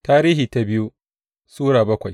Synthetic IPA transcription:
taː˦ɾiː˦hiː˨ta˨bɪ˦ju˦ | suː˦ɽaː˨bɐ˦kʷa˨j

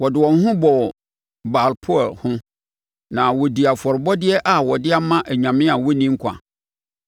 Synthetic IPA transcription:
wɔ˨dɪ˨wɔ̃˨n˦ɦʊ̃˦bɔ˨ | ba˨lpʰɔ˦ɔ˨lhʊ̃˦ | nã˨wɔ˨di˨a˨fɔ˨ɾɪ˨bɔ˦dɪ˦ɛ˦ʔa˨wɔ˨dɪ˦a˦mã˦ʔæ˨ɲã˨mɪ̃˦a˨wɔ˦nĩ˦ŋ̩˦kʷʰã̰˨

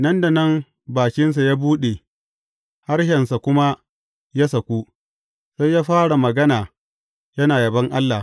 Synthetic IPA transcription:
nɐ˦nda˨nɐ˦m | baː˨kʲɪ˦ns̬a˨jaː˦buː˦ɗe˨ | ha˦rʃɛ˨nsa˨kʷʊ˦ma˦ | ja˦sɐ˨kʷu˦ | sa˦jjaː˦ɸaː˦ɽa˨mɐ˨ɡɐ˦naː˨ | jɐ˦naː˨jɐ˨bɐ˦ŋʔa˦lːa˨

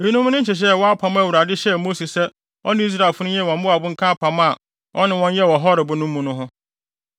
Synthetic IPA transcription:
i˨˦nũ˦m̃˦nʊ̃˦ɲ̩˦t͡ɕɪ˨ɕ̬ɛ˦˨wɔ˦a˦pʰã˨ma˦˨wu˨ɾa˨dɪ˦ɕɛ˦mo˦si˨sɛ˦ | ɔ˦nɪ̃˦i˦s̬ɾa˦˨lfʊ˦ʊ̃˦jɛ˦˨wɔ̃˨m˦bʊ˦a˨bʊ˦ŋ̩˦kʰa˦pʰa˨ma˦˨ | ʔɔ˦nɪ̃˨wɔ̃˦ɲ˦jɛ˦˨wɔ˨ɦɔ˦ɾɪ˨bʊ˦nʊ̃˦mːũ˦nʊ̃˦ɦʊ̃˦

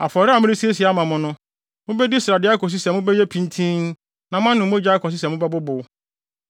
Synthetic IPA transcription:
a˨fɔ˨ɾɪ˦a˨mɪ̃˦ɾɪ˦si˦e˦si˨a˨˦mã˨mʊ̃˨nʊ̃˦ | mʊ̃˦bɛ˦di˦sa˨dɪ˦a˦kʰɔ˨s̬i˦sɛ˨mʊ̃˦be˦je˦pʰĩ˦n˦tʰĩ˦n | nã˨m˦ã˦nʊ̃˨m˦ʊ˦d͡ʑa˦kʰɔ˨s̬ɪ˦sɛ˨mʊ̃˦bɛ˦bʊ˦bʊ˨˦

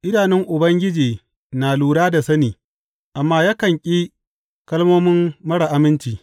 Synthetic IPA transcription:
ʔɪ˦naː˨nɛ˦ŋʔʊ˨bɐ˦ŋɡʲɪ˦d͡ʒiː˨ | naː˨luː˨ɽaː˦da˨sɐ˦niː˨ | ʔa˨mːaː˦ja˦kɐ˨ŋkʲʼiː˦ | kɐ˦lmoː˦mɪ˦mːɐ˦ɽa˨ʔa˦mɪ˦nt͡ʃiː˨

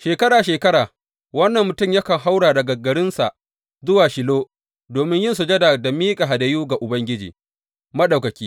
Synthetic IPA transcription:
ʃeː˨kɐ˦ɽaː˨ʃeː˨kɐ˦ɽaː˨ | wɐ˦nːɐ˨mːʊ˨tʊ˦˨mjɐ˦kɐ˨ŋɦa˦wɽaː˨dɐ˨ɡɐ˨ɡɐ˨ɽɪ˦nsa˨ʔ | zʊ˦waː˨ʃɪ˨loː˦ | doː˨mɪ˦ɲjɪ˦nsu˨d͡ʒɐ˦da˨dɐ˨miː˦kʼa˨ɦa˨dɐ˨juː˦ɡa˨ʔʊ˨bɐ˦ŋɡʲɪ˦d͡ʒḭ˨ | mɐ˦ɗa˨wkɐ˨kʲiː˦

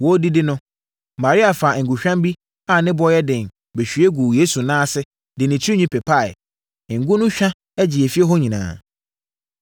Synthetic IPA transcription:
wɔ˦di˦dɪ˦nʊ̃˦ | mã˨ɾi˦a˨fa˨ŋ̩˨ɡu˨ɕᶣã˦mbi˦ | a˨nɪ̃˦bɔ˦jɛ˦dɪ̃˨n | be˨ɕᶣɥe˦ɡu˨jeː˦su˨nãː˦˨sɪ˦ | dɪ˨nɪ̃˨t͡ɕʰi˦i˦ɲĩ˦pʰɛ˨pʰa˦˨ɪ̰˨ | ŋ̩˨ɡʊ˦nʊ̃˦ɕᶣã˦ | ɛ˦d͡ʑɪ˨ɛ˨fi˦e˦ɦɔ˦ɲĩ˨nã̰ː˨

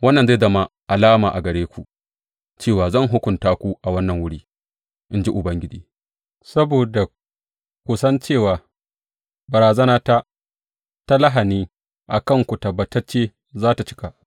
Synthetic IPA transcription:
wɐ˦nːɐ˨nza˦˨zɐ˦ma˦ʔa˨laː˦maː˨ʔa˨ɡɐ˨ɽeː˦kʷu˨ʔ | t͡ʃeː˦˨waː˨zɐ˦˨ŋɦʊ˦kʷʊ˨ntaː˦kʷu˦ʔa˨wɐ˦nːɐ˨ŋwʊ˦ɽiː˦ | ʔɪ˦nd͡ʒi˦ʔʊ˨bɐ˦ŋɡʲɪ˦d͡ʒiː˦ | sɐ˦boː˨da˨ | kʷu˨sɐ˦nt͡ʃeː˦˨waː˨ | bɐ˨ɾaː˨zɐ˦naː˦ta˦ | ta˦lɐ˦ɦa˨niː˦ | ʔa˨kɐ˦˨ŋkʷu˨tɐ˨bːɐ˨tɐ˦rt͡ʃeː˦ | zaː˦ta˨t͡ʃɪ̥˦ka˨ʔ

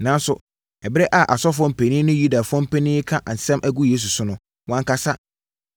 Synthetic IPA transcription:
nã˨˦n˦sʊ˨ | ɛ˨bɪ˦ɾɛ˦ʔa˨ʔa˨sɔ˦f̬ʊ˨ɔ̃˦m̩˦˨pʰɛ˨nĩ˦nʊ̃˦ju˦da˨fʊ˦ɔ̃˦m̩˦pʰɛ˦nĩ˦kʰã˦ʔa˨n̩˨sɛ̃˦mʔæ˦ɡu˦jeː˦s̬u˨sʊ˦nʊ̃˦ | wɔ̃˦ŋka˦sa˦

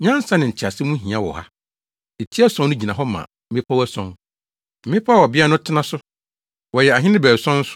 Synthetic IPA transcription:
ɲã˦n˦sã˦nɪ̃˨ɲ̩˨t͡ɕʰɪ˨a˨sɪ˦mũ˦ɦĩ˨ã˦wɔ̰˨ha̰˦ | e˨tʰi˦æ˦sɔ̃˦nnʊ̃˦d͡ʑi˨nã˨ɦɔ˦mã̰˨m̩˦mɪ̃˦pʰa˦wæ˦sɔ̰̃˦n | m̩˨mɪ̃˦pʰa˦wɔ˨bɪ˦a˦nʊ̃˦tʰɪ˦nã˦sʊ˦ | wɔ˨jɛ˨a˨ɦɪ̃˦nɪ̃˦bæ˨sɔ̃˦n̩˦sʊ̥˦

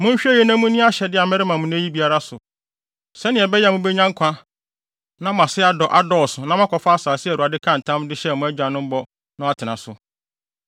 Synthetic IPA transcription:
mʊ̃˦ɕᶣɛ˦jɛ˦nã˦mʊ̃˦nĩ˦a˦ɕɛ˨dɪ˦a˨mɛ̃˦ɾɪ˦mã˨mʊ̃˦næ˦ji˦bi˦a˦ɾa˦sʊ˨ | sɛ˦nɪ̃˨ɛ˨bɛ˦jɛ˦mʊ̃˦bɛ˦ɲã˦ŋ˦kʷʰã˦ | nã˦m˨ã˨sɪ˦a˨dɔ˨ʔa˦dɔ˦˨sʊ˨nã˦m˦ã˦kʰɔ˨fa˦a˦saː˨sɪ˦ɛ˨ɾu˨a˨dɪ˦kʰã˦˨n̩˨tʰã˦mdɪ˦ɕɛ˦˨mʊ̃˦æ˦d͡ʑᶣa˨nʊ̃˦m̩˦bɔ˦ | nʊ̃˦a˦tʰɪ˨nã˨sʊ˨

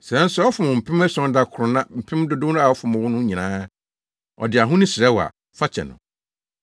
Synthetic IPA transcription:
sɾɛ˦n̩˦sʊ˦ɔ˦fʊ˨mʊ̃˨m̩˨pʰɪ̃˦m˦ɛ˦sɔ̃˦n˦da˦kʰʊ˨ɾʊ˨nã˦m̩˨pʰɪ̃˦mdʊ˦dʊ˦n˦a˨ɔ˦fʊ̃˨mʊ̃˨wʊ̃˦nʊ̃˦ɲĩ˨nãː˦ | ɔ̰˨dɪ˨a˨ɦʊ̃˦nɪ̃˦sɪ˨ɛ˦wa̰˨ | fa˦t͡ɕʰɛ̰˨nʊ̰̃˨

